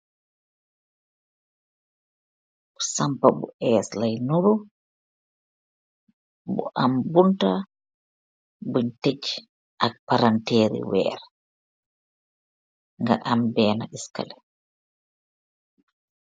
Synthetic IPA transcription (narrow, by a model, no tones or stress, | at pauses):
ɔsampabɔ̰ʔɛːslajnuɾu | bɔ̰ʔambunta | buɲtet͡ʃ | ʔak̚paɾantɛːɾḭwɛ̰ːɾɛ | ŋɡa̰ʔambɛːnaʔiska̰lɛ